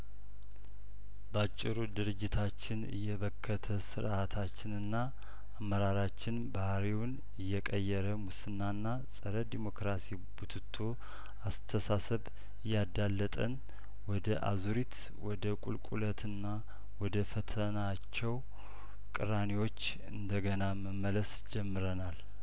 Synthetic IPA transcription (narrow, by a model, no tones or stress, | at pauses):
bəat͡ʃʼːɪɾud̪ɨɾɨd͡ʒːɪt̪ʰat͡ʃːɪnɨ̰jːɛβəkʰːət̪ʰəsɨɾat̪ʰat͡ʃːɪnɨnːaː | mːəɾaɾat͡ʃːɪnbahɾiwn | ɨjːɛkʼəjːɛɾəmusɨnːanːasʼəɾəd̪imo̞kɾasi | but̪ʰɨt̪ʰːo | ast̪ʰəsasəβ | ɨjːad̪alːət̪ʼən | wɔd̪əʔa̰zuɾit̪ | wɔd̪əkʼṵlkʼulət̪ʰɨnːa | wɔd̪əfət̪ʰəna | t͡ʃːɛw | kʼɨɾaniwo̞t͡ʃː | ɨ̰nd̪əɡənaməmːələs | d͡ʒɛmːɨɾənal